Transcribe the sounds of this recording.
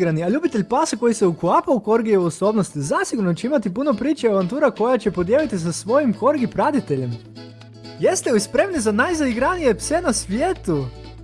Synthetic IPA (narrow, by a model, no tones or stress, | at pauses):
ɡɾaniaʎuːbit̪e̞ʎʲpasako̞jiseuklaːpauko̞ɾɡieoso̞bnost̪izasiɡuɾnot͡ɕeimat̪ipuno̞pɾiːt͡ʃeiaʋant̪uːɾako̞jat͡ɕe̞po̞d̪jeːlit̪is̬asʋo̞jimko̞ɾɡipɾad̪it̪e̞ʎe̞m | je̞st̪eoispɾe̞mnizanajzaiɡɾanije̞pse̞nasʋjeːt̪u